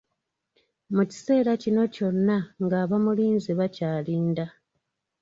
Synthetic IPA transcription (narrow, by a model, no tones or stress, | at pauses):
muci̥se̞ːɾacino̞co̞nːaŋɡaːβamuliːnziβacaːliːnda